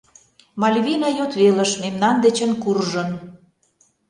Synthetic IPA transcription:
mɑlʲβinɑjot̪βelə̆ʃmemnɑnd̪et͡ɕə̆nkurʒən

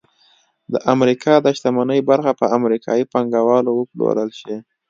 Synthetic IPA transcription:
d̪əʔamɾikʰɑd̪aʃt̪amanəjbaɾxapəamɾikʰɑjipaŋɡawɑlowəplo̰ɾəlʃi

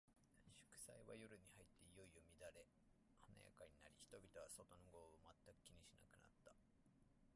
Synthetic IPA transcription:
ɕɨ̥kɯ̟̥saiβa̰joɾɯ̟ɲ̟ihait̪ːeijo̞ijomʲid̪aɾe̞ | hana̰ja̰kaɲ̟inaɾʲiçi̥t̪o̞bʲit̪o̞βaso̞t̪o̞noɡo̞ːomat̪ːakɯ̟̥kʲiɲ̟iɕina̰kɯ̟na̰t̪ːa

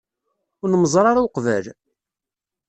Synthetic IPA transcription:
ʊɾnəməzˤɾˤɑɾawqvæl

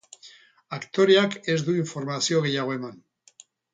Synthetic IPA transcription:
akt̪o̞ɾeake̞zd̪uiɱfo̞ɾmasio̞ɣe̞jaɣ̞o̞e̞man

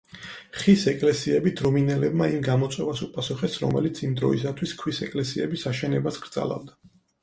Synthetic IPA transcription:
χisɛkʼlɛsiɛbid̪ɾɔminɛlɛbmaimɡamɔt̪sʼwɛvasupʼasuχɛsɾɔmɛ̰lit̪sʰimd̪ɾɔisat̪ʰwiskʰwisɛkʼlɛsiɛbisaʃɛnɛbasɡ̥ɾt̪zʼa̰la̰vd̪a

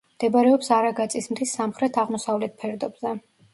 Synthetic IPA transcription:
md̪̥ɛbaɾɛɔpsaɾaɡat̪sʼismd̪ʰisːamχɾɛt̪ʰaʁmɔsavlɛt̪̚pʰɛɾd̪ɔbzɛ

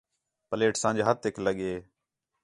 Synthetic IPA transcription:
pəleːʈsãːd͡ʒaːɦət̪ːɪkʰləɠeː

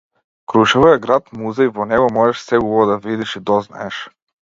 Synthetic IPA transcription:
kɾuʃɛvɔɛɡɾat̪muzaivɔnɛɡɔmɔʒɛʃsɛubɔɔd̪avid̪iʃid̪ɔzna̰ɛʃ

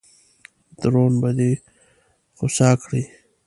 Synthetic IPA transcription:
d̪ɾoːnbɐd̪i | xʊsaːkɽiː

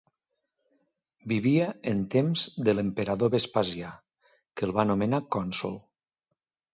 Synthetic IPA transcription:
biβiəːnt̪emzd̪ələmpəɾaðoβespazja | kəlˠβanomenakɔnsṵlˠ

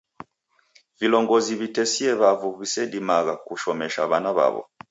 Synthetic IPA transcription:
vilɔŋɡɔziβitɛsiɛβavuβisɛdimaɣakuʃɔmɛʃa̰βanaβa̰βɔ̰

